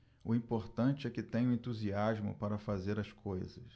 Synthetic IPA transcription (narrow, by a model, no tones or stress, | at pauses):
ʊĩpoɾt̪ɐ̃nt͡ʃɪɛkɪt̪ẽɲ̃ʊ̃ẽnt̪uziazmʊ̰paɾɐfazeɾɐskʰojzɐs